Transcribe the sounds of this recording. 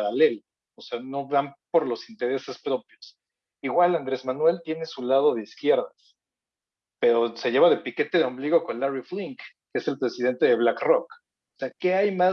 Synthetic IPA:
ɾale̞lo | ose̞ano̞βampo̞ɾlo̞sint̪e̞ɾe̞se̞spɾo̞pjo̞s | iɣwaland̪ɾe̞zmanwe̞lt̪je̞ne̞sulað̞o̞ð̞eiskje̞ɾðas | pe̞ɾo̞se̞ʝe̞βaðe̞pike̞t̪e̞ðeo̞mbliɣo̞ko̞nlaɾifliŋkː | eese̞lpɾe̞sið̞e̞nt̪e̞ð̞e̞βlakrok | oseake̞ajma

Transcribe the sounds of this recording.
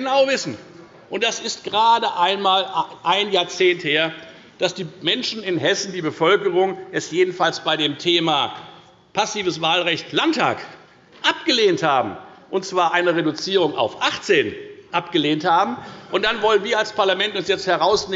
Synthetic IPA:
ənaʊvɪsn̩ | ʔʊntd̥asɪstɡ̥əʁaːdəʔaɪnmaːlʔaɪnjaːɐt͡seːntheːɐ | d̥asd̥iːmɛnʃn̩ɪnɦɛsn̩diːbəfœlkəʁʊŋʔɛsjeːdn̩falsb̥aɪɾeːmtʰeːmaː | pʰasiːvəsv̥aːlʁɛçtlantʰa̰ːk | ʔap̚ɡ̥əleːnthaːbm̩ʔʊntt͡sv̥aːɐʔaɪnəʁedʊt͡siːʁ̞ʊŋa̰ʊfʔaχt͡seːnʔapɡ̥əleːnthaːbm̩ʔʊnt̚d̥anvɔlənviːɐalspʰaɐlamɛntʊnsjɛt͡sthɛʁaʊsneː

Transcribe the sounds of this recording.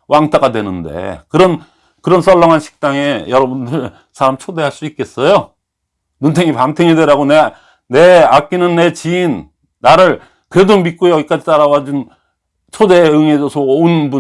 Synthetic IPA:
wʔaŋtʰaɡadwe̞nɯnde̞̰kɯɾʌn | kɯɾʌns͈ʌɭːʌŋɦanɕʰi̥k̚t͈aŋe̞jʌɾʌbundɯɾ | sʰaɾamt͡ɕʰode̞ɦaɭs͈uik͈e̞s͈ʌjo | nuntʰeŋipamtʰeŋedeɾaɡone | ne̞ak͈inɯnːe̞t͡ɕiinː | aɾɯɭ | kɯɾe̞domit̚k͈ojʌɡik͈ad͡ʑit͈aɾawad͡ʑun | t͡ɕʰode̞ɯŋesʌsʰʌonbu

